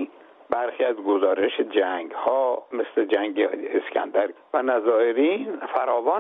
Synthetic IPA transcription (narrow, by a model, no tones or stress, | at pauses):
bæɾxiːæzɡozɒːɾeʃed͡ʒæŋɡhɒːmesled͡ʒæŋɟeescʰæ̰nd̪æɾvænæzɒːeɾiːnfæɾɒːvɒː